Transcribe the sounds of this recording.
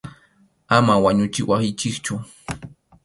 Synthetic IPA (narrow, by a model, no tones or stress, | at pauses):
amawaɲʊt͡ʃɪwasɪt͡ʃɪkt͡ʃʊ